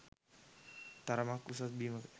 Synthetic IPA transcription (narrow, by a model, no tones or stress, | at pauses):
t̪aɾamakusat̪̚bimək